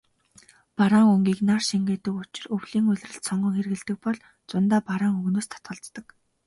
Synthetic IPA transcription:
paɾaːŋɵŋɡʲiːknarʃiŋɡeːt̪ɘ̆kʊt͡ɕɪ̆rɵwɮiːŋɵɮ̆ʲrɘ̆ɬt̪sɔɴɢɞ̆ŋxerɣɘ̆ɮt̪ɘ̆k̚pɔɮ | t͡sʊnt̪aːpaɾaːŋɵɣnoːst̪ʰḁt̪ɢə̆ɬt̪ːə̆k

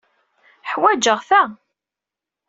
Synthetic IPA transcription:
ħwæd͡ʒəʁθæ

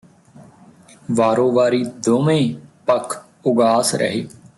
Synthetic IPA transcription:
ʋaːɾõːʋaːɾiːd̪oːmẽːpəkʰ | ʊɡaːsɾʔə̰ɦḛː

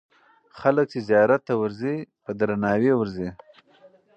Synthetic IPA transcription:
xalək̚t͡ʃezjɑɾat̪ːawəɾzipəd̪ɾanɑwewəɾzi

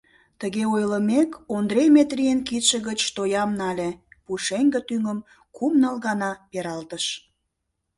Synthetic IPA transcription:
t̪əɣeojləmekond̪rejmet̪rijenkit̪ʃəɣət͡ɕt̪ojɑmnɑlʲepuʃeŋɡə̆t̪yŋəm | kumnəlɣɑnɑpeɾɑlt̪əʃ

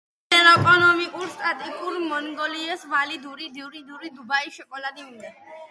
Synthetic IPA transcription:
ɛɾɔkʼɔnɔmikʼuɾst̪ʼat̪ʼikʼuɾmɔnɡɔliɛsvalid̪uɾid̪iɾid̪uɾid̪ubaiʃɔkʼɔlad̪imind̪ɛ

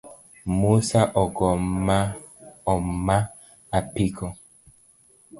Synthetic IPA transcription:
musaʔɔɡɔma | ɔmmːa | apikʰɔ

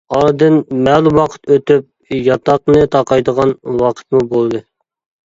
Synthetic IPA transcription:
ɑɾd̪ɨnmɛːlˠumwɑqʰə̥t̪øt̪yp̚ | jɑt̪ɑqnɨt̪ʰɑqɑjd̪əʁɑnwɑqʰə̥t̪̚mubolˠd̪ɨ

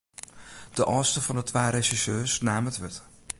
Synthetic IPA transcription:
d̥əʔɔːstəfɑnətʋaːɾeʃisøːsnaːmətʋɪtə

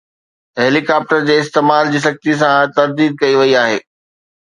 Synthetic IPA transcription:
ɦeːlikaːp̚ʈəɾd͡ʑeːɪst̪eːmaːld͡ʑiːsɐk̚t̪is̬ãt̪ɐɾd̪iːd̪̚kɐiʋɐiaːɦḛː

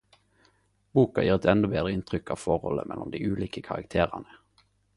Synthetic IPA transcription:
buːkɑjiːʁɛt̪ʰɛnd̪ɔbeːd̪ʁəɪnt̪ʰʁʏkɑːʋfɔʁhɔ̰ləmɛlːɔmd̪iːʉːliːkəkʰɑʁɑ̰kt̪ʰeːʁɑnə

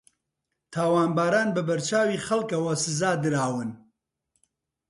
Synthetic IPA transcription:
t̪ʰaːwaːnbaːɾaːnbɨbɐɾt͡ʃʰaːwiːxɐlkɐwɐsɨzaːd̪ɨɾaːwɨn

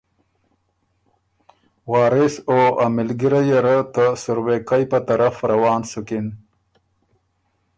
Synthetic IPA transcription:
wɑːɾisoamɪlɡiɾajaɾət̪asuɾwekajpat̪aɾafɾawɑːnsukin

